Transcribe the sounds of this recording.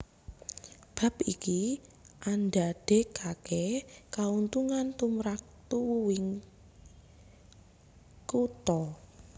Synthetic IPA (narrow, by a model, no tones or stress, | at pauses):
b̥a̤piki | ʔandaɖ̥e̤kakɛkaunt̪uŋant̪umɾak̚t̪uwɪŋ | kut̪ɔ